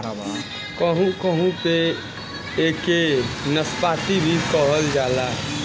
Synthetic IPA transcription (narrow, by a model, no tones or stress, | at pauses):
kəɦũkəɦũpe | ekenəspaːt̪ibʱikəɦəld͡ʒaːla